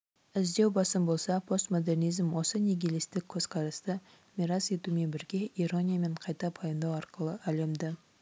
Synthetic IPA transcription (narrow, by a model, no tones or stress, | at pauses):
ɪzd̪e̞wbɑsəmbo̞lˠsɑpʰo̞st̪mo̞d̪e̞rnijzmwo̞səneɡʲelest̪ɪkʲʰːɵzqʰɑɾɑst̪ə | mʲiɾɑse̞t̪ume̞nbɪɾɡʲe̞iɾo̞nʲijame̞ɴqʰɑjt̪ɑpʰɑjənd̪ɑwɑɾqəlˠəʔæle̞md̪ɪ